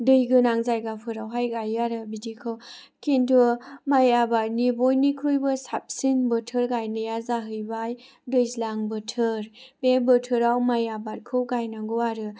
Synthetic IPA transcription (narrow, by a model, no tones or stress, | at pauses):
dɯjɡɯnaŋzajɡapʰɯɾawɦajɡajaɾɯbidikʰɯw | kʰentʰɯmajabaɾ̚nibojnikʰɾujbɯsap̚sinbɯtʰɯɾɡajnɯjazaɦɯjbaj | dɯjzlaŋbɯtʰɯɾbebɯtʰɯɾawmajabat̚kʰɯwɡajnaŋɡɯwaɾɯ